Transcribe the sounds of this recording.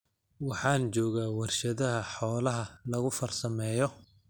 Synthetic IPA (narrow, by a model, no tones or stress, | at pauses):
wɑħɑːnt͡ʃɔːɣaːwɐrʃɐðɐɦɐħɔːlɐɦɐlɐɣʊfɐrsɐmɛːjɔ